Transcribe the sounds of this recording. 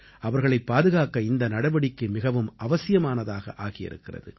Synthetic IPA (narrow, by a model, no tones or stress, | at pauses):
ʔɐʋɐɾɣɐɭɐɪpːaːðɯɣaːkɐɪnd̪ɐnɐɽɐʋɐɽɪkːɯmɪɣɐʋɯmʔɐʋɐsɪjɐmaːnɐðaːɣɐ̰ʔaːɣɪjɪ̰ɾɯ̰kːɪrɐ̰ðɯ̰